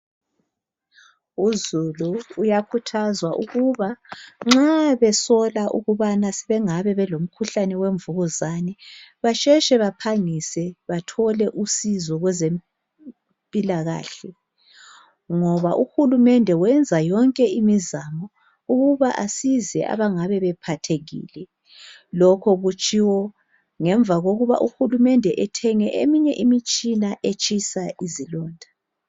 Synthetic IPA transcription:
uzuluːjakʰutʰazwaʔuɣuβaŋ͡ǁaβɛsɔlaʔṵɣuβanasɛβɛŋaβɛβɛlom̩kʰuɬanɛweɱvuɣuzanɛβat͡ʃʼɛʃɛβapʰaŋisɛβatʰɔlɛʔusizɔɣwɛzem | pʼilaɣa̰ːɬɛ | ŋɔβaʔuxulumɛndʱɛwɛnd͡zʱajɔŋkʼɛimizamɔ | uɣuβaʔasizɛ̰a̰βaŋaβɛβɛpʰatʰeɣḭːlɛ | lɔkʰɔɣut͡ʃʰʼiwɔ | ŋɛɱvʱaɣoɣuβa̰ʔuxulumɛndʱɛʔɛtʰɛŋɛʔḛmiɲɛʔimit͡ʃʼinaʔet͡ʃʰʼisaizilɔːndʱḁ

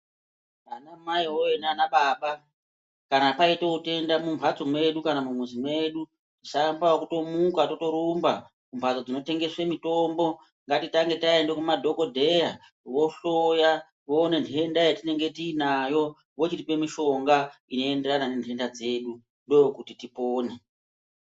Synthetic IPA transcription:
anamaiwoenanaɓaɓa | kanapaitoute̞ndamumpat͡somwe̞ɗukanamumwuzimwe̞ɗu | tisambawokuto̞mukato̞to̞ɾumba | kumpat͡sod͡zino̞te̞ŋɡe̞swe̞mito̞mbo̞ | ŋɡatitaŋɡe̞taendekumadʱo̞ko̞dʱe̞ja | wo̞ɬoja | woːne̞ndʰʱe̞ndajatine̞ŋɡe̞tiːnajo̞ | wot͡ʃitipe̞miʃo̞ŋɡaino̞e̞nde̞ɾanane̞ntʰe̞ndad͡ze̞ːɗu | ndo̞jokutitipoːne

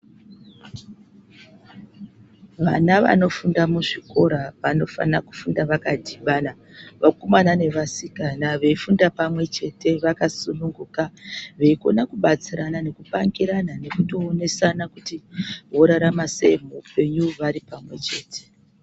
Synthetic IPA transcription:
ʋanaʋa̰no̞fundamuʐiko̞ɾaʋano̞fa̰naku̥fundaʋakadʱiʋana | ʋakomanane̞ʋasikanaʋe̞ifundapamwe̞t͡ʃe̞te̞ʋakasunuŋɡukaʋe̞iko̞̰nakuɓat͡siɾanane̞kupaŋɡiɾanane̞kutoːne̞sanakutiʋo̞ɾaɾamasḛm̤uupe̞ɲuʋaɾipamwe̞t͡ʃe̞ːte̥

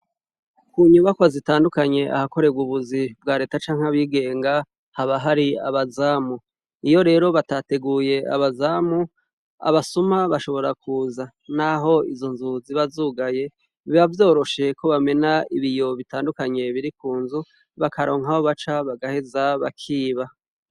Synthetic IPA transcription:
kuɲuβakwazitaːndukaɲe̞ʔa̰hako̞ɾe̞bɡuβuzib̚ɡaːɾe̞ːtat͡ʃaːŋ̥haβiːɡe̞ːŋɡa | haβaɦaɾia̰βazaːmu | ijo̞ɾe̞ːɾo̞βatate̞ɡuːje̞a̰βazaːmu | a̰βasumaβaʃo̞βo̞ɾakʰuːza | naɦo̞izonzuziβazuːɡaje̞ | βavjo̞ːɾo̞ʃe̞ko̞βame̞naiβijo̞βitaːndukaɲe̞βiɾikuːnzu | βakaɾo̞ːŋ̥haho̞βat͡ʃaβaɡahe̞zaβa̰kʰiːβa

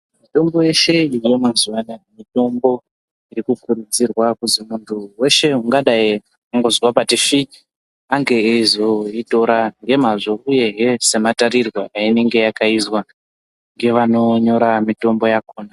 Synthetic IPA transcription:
mito̞mbo̞je̞ʃe̞ije̞maziwanamito̞mbo̞ | iɾikukuɾud͡zirwakuzimuntʰuwe̞ʃe̞uŋɡaɗai | aŋɡo̞zwapatifi | aŋɡe̞eizo̞ito̞ɾaŋɡe̞maʐo̞uje̞ɦese̞mataɾirwaʔaine̞ŋɡe̞jakaizwa | ŋɡe̞ʋano̞ɲo̞ɾamito̞mbo̞jako̞ːna

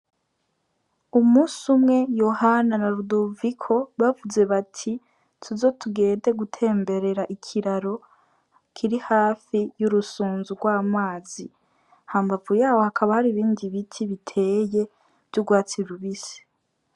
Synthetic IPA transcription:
umuːsumŋe̞jo̞hananaɾudovikʰo̞βavuze̞βatʰi | tʰuzo̞tʰuɡe̞ːnde̞ɡutʰe̞ːmbe̞ɾe̞ɾaʔikʰiɾaɾo̞ | kʰiɾihaːfijuɾusuːnzuɡwaːmaːzi | haːmbavujaːwo̞hakʰaβahaɾiβiːndiβitʰiβitʰe̞je̞ | v̥juɡwaːt͡siɾuβise̥

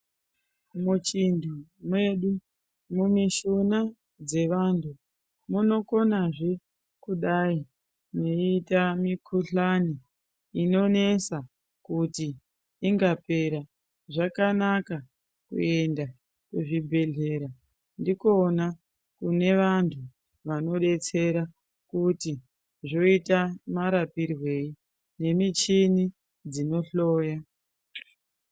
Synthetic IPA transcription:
mut͡ʃindumwe̞ɗu | mumiʃuna | d͡ze̞ʋantʰu | muno̞ko̞naʐe | kuɗai | neitamikʰuɬaniː | no̞ne̞sa | kutiː | ŋɡape̞ɾa | ʐakanaka | kṵe̞nda | kweʐibʱe̞ɮe̞ɾa | ndikona | kune̞ʋantʰu | ʋano̞ɗe̞t͡se̞ɾa | kuti | ʐo̞itamaɾapirwe̞i | ne̞mit͡ʃini | d͡zino̞ɬoːja

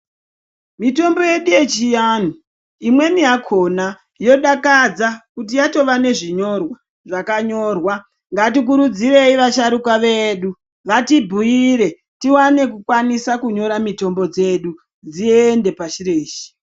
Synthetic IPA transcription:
mito̞mbo̞je̞ɗuje̞t͡ʃijaːn̤u | imwe̞mijakʰo̞na | jo̞ɗakad͡zakut̬ijato̞ʋane̞ʐiɲo̞rwa | ʐakaɲo̞rwa | ŋɡatik̬uɾud͡ziɾe̞iʋaʃaɾukaʋe̞ɗu | ʋatibʱujiɾe̞ | tiwane̞kukwanisakuɲo̞ɾamito̞mbo̞d͡ze̞ɗu | d͡zieende̞paʃireːʃi̥

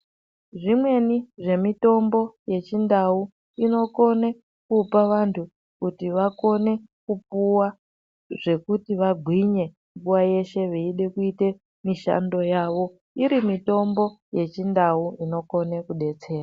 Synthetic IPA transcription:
ʐimwe̞niʐe̞mito̞mbo̞je̞t͡ʃindau | ino̞ko̞ne | kupaʋantʰu | kutiʋako̞ne̞ | kup̚uwa | ʐ̥e̞kutiʋaɡʱwiɲe̞ | mbuwaje̞ʃe̞ʋeiɗe̞kuite | miʃa̰ndo̞jaːʋo̞ | iɾimito̞mbo̞je̞t͡ʃindauino̞ko̞ne̞kuɗe̞t͡se̞ːra

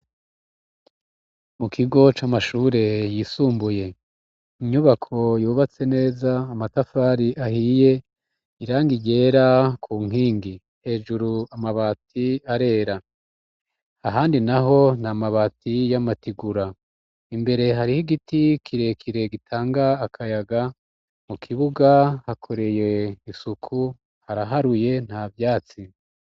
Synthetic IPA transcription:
mukʰiɡo̞t͡ʃamaʃuːɾe̞jisuːmbuje̞ | iɲuβakʰo̞juːβat͡sene̞ːzaːmatafaːɾiʔahije̞ | iɾaːŋɡiɟe̞ɾakʰuːŋ̥iːŋɡi | he̞ːʒuɾuamaβatʰiaɾe̞ːɾa | aɦaːndinaɦo̞namaβatijamatiɡuɾa | imbe̞ɾe̞ɦaɾihiɡitikʰiɾe̞kʰiɾe̞ɡitʰaːŋɡaːkʰajaɡa | mukʰiβuɡahakʰo̞ɾe̞je̞isukʰu | haɾaɦaɾuje̞n̥havjaːt͡si

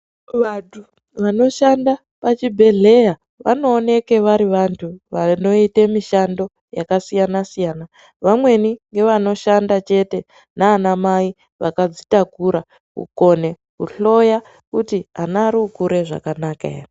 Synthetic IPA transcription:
ʋatʰu | ʋano̞ʃanda | pat͡ʃibʱe̞ɮe̞ja | ʋa̰no̞ːne̞ke̞ʋaɾiʋantʰuʋano̞itemiʃando̞ | ja̰kasijanasijaːna | ʋamwe̞niŋɡe̞ʋano̞ʃandat͡ʃe̞te̞ | naːnamai | ʋakad͡zitaɡʱuɾa | kṵko̞ne̞ | kṵɬo̞ja | kutianaːɾiukuɾe̞ʐa̰kanakaḛri

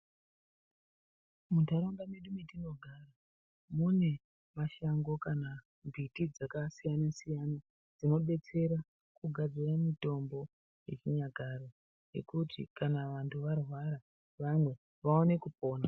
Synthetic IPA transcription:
mutaɾoŋɡameɗumitino̞ɡʱara | mune̞ | maʃaŋɡo̞kana | mbʱitid͡zakasijanasijana | d͡zino̞ɓe̞t͡se̞ɾa | kuɡʱad͡ziramito̞mbo̞ | je̞̰t͡ʃiɲaɡʱaro | je̞̰kutʰḭkanaʋantʰuʋarwaɾa | ʋamwe̞ | ʋaone̞kupo̞ːna

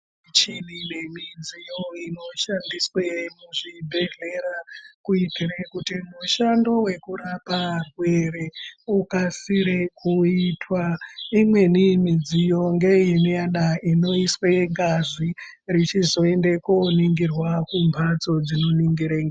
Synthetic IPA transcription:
t͡ʃininemid͡zijoino̞ʃandiswemuʐibʱe̞ɮe̞ɾakuitirekutimuʃando̞we̞kuɾaparwereukasiɾekuitwaimwe̞nimid͡zijo̞ŋɡe̞inijaɗaino̞iswe̞ŋɡaʐi | rit͡ʃizo̞endekoniŋɡirwakumbʱat͡so̞d͡zino̞niŋɡiɾeŋɡa

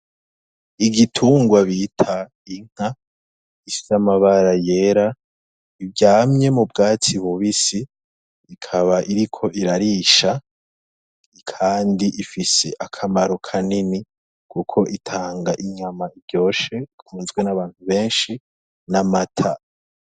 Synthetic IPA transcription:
iɡitʰuːŋɡwaβitʰa | iŋ̥a | ifi̥samaβaɾaje̞ɾa | ivɟaːmɲe̞mubɡaːt͡siβuβisiː | kʰaβaʔiɾikʰo̞ʔiɾaɾiʃa | ikʰaːndiʔifise̞ʔakʰamaɾokʰanini | kʰukʰo̞ʔitʰaːŋɡaʔiɲamaibɟo̞ːʃe̞ikʰuːnzɡwe̞naβaːnhuβe̞ːnʃi | namatʰa̰

